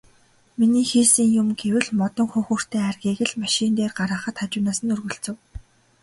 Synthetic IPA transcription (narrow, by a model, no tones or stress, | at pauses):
miniːxiːsiːŋjʊmɡewɘ̆ɮmɔt̪ɞ̆ŋxɵŋxur̥t̪ʰeːærɣʲiːɣɘ̆ɮmaʃint̪eːrɢaɾəːχə̆t̪χat͡ɕʊːnaːsə̆nɵrɣɵ̆ɬt͡sɵ̆w